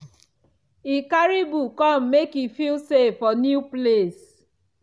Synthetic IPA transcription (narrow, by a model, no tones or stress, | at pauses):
ikaɾibukɔm̩ːekifilsefɔnjuples